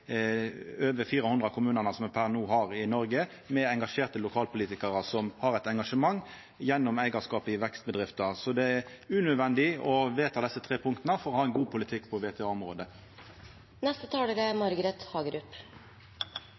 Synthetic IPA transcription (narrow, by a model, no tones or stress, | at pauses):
øːʋəfiːɾəhʊnd̪ʁɑkʰʊmʉːnənəsɔmpʰæʁnuːɦɑʁɪnɔɾɡə | mɛɛŋɡɑʂeːʁt̪əlʊkʰɑːlpʰʊliːt̪ɪkəʁəsɔmhɑʁɛɪt̪ɛŋɡɑʂəmɑŋː | jɛnːɔmæɪɡɑskɑːpɪʋɛkst̪̚bəd̪ʁɪft̪əsɔd̪ɛæɾʉːnøːʋɛnd̪ɪɔʋeːt̪ʰɑd̪ɛsːət̪ʰɾeːpʰʊŋk̚t̪nəfɔʁɔhɑːɛnɡuːpʰʊlɪt̪ʰɪkːpʰɔʋeːt̪ʰeɑːɔmʁoːd̪ə | nɛst̪ət̪ʰɑːɖəɾɛmɑɾɡəɾɛt̪hɑːɡəɾʉːp